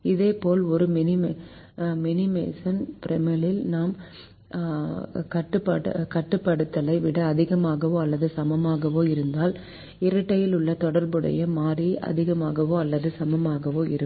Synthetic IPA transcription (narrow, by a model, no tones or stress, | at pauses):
ɪðeːpoːlɔɾɯmɪnɪm | mɛnɪmḛːsɐnpɾɛmɪlɪlnaːm | kɐʈːɯpːɐkɐʈːɯpːɐɽɯt̪ːɐlɐɪʋɪɽɐːðɪɣɐmaːɣɐʋoːɐlːɐðɯsɐmɐmaːɣɐʋoːɪɾɯnd̪aːl | ɪɾɐʈːɐjɪlʊɭːɐt̪ɔɽɐɾbɯɽɐ̰jɐmaːɾiɐ̰ðɪɣɐmaːɣɐʋoːɐlːɐðɯsɐmɐmaːɣɐʋoːɪɾɯ